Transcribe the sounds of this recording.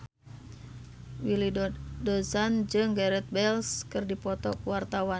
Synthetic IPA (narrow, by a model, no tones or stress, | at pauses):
wilidɔsand͡ʒɨŋɡɛɾɛt̪̚bɛlskɨrdipɔt̪ɔkuwart̪awa